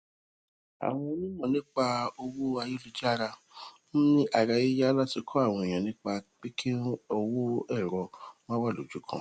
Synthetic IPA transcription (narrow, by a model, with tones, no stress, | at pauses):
a̰˨w̃ɔ̃˧nĩ˦mɔ̃˦˨nĩ˦k͡pa˧o˧wo˦a˧ji˦lu˧d͡ʒa˦ɾa˧ | ñ̩˦nĩ˦ʔa˨ɾa˧˨ji˦ja˦la˦ti˧kʰɔ˦a˦˨w̃ɔ̃˧e˨j̃ɔ̃˨nĩ˦k͡pa˧k͡pi˦kʰi˦ɔ˧wo˦ɛ˦˨ɾɔ˧wɔ̃˦wa˦˨lo̰˨d͡ʒu˨˦kʰã̰˧˨